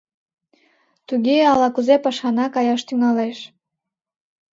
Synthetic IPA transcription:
t̪uɣeɑlɑkuzepɑʃɑnɑkɑjɑʃt̪yŋɑleʃ

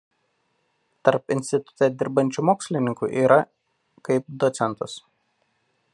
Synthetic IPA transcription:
t̪ɐɾpɪnʲsʲt̪ʲɪt̪ʊ̥t̪ʲɛd̪ʲɪɾbɐnʲt͡ʃʲumoːksʲlʲɪnʲɪŋkṵːˑʔiːɾɐ | kɐɪp̚d̪ɔt̪sʲɛnˑt̪ʊs

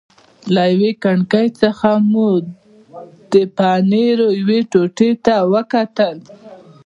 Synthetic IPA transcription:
lajwekaɳkəjt͡səxamu | d̪̥əpɑneɾojweʈoʈet̪awəkat̪əl

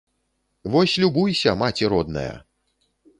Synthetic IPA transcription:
vɔsʲlʲubujsʲɐmat͡sʲiɾɔd̪̚nɐ̰jɐ̰

